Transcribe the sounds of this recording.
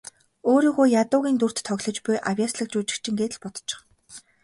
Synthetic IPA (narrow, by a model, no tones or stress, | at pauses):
oːɾiːɣujjat̪ʊːɣʲiːnt̪ur̥t̪ʰːœɣʲɮɞ̆t͡ɕpʊjʔawʲjaːsɮə̆k̚t͡ɕuːt͡ɕɪ̆kt͡ɕʰɪ̆ŋɡeːt̪̆ɮpɔt̪ɞ̥t͡ɕɪ̥̆χ